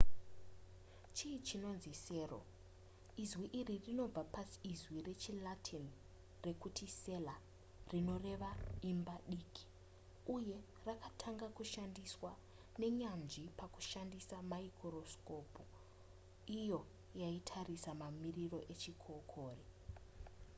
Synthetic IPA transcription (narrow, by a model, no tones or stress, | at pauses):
t͡ʃiːt͡ʃino̞nzise̞ːro̰ | izwiʔiririno̞b͡vapasi̥ːzwire̞t͡ʃilatʰin | re̞kutʰise̞la | rino̞re̞ʋaimbaɗikʰi̥ | uje̞ | rakatʰaŋɡakuʃandiswa | ne̞ɲand͡ʒipaku̥ʃandisamaikʰorosko̞pu | ijo̞ | jaitʰarisamamiriro̞ʔe̞t͡ʃikʰokʰoːri